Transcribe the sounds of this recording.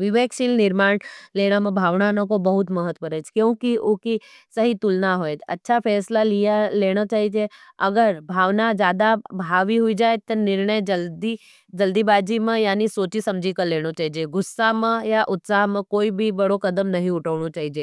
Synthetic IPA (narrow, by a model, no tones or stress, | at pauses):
ʋɪʋeːkʃilnɪɾmaːɽleːɽ̃amə̃bʱaːʋnanəkobəɦʊt̪məɦət̪ːʋəɾɛt͡ʃʰkjõːkioki | səɦit̪ʊlnaɦoːet̪ɐ̰tːʃʰapʰɛːslalijaleːɽ̃at͡ʃaːɦid͡ʒeɐɡəɾbʱaːʋnad͡ʒjaːd̪abʱaːʋiɦʊid͡ʒaːet̪ənɪɾɳəjd͡ʒəld̪i | d͡ʒəld̪ibaːd͡ʒimə̃jaːnisoːt͡ʃisɐ̃md͡ʒʱikəɾleːɽ̃ot͡ʃaːɦid͡ʒeɡʊsːaɦmə̃jaʔʊt̪saɦmãkoːibʱibəɽokəd̪əmnɐɦĩʊʈʰəʋɳ̃ot͡ʃaːɦid͡ʒe